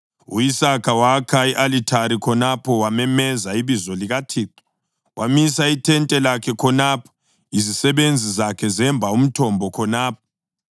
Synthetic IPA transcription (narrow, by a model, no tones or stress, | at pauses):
ṵjisakʰawakʰaiʔalitʰaɾikʰɔnapʰɔwamɛmɛzaiβizɔliɣatʰiːǃɔ̥ | wʔamisaitʰɛntʼɛlakʰɛkʰɔnapʰɔ̥ | izisɛβend͡zʱizakʰɛzɛmbʱaum̩tʰɔmbʱɔkʰɔnaːp̚ʰɔ̥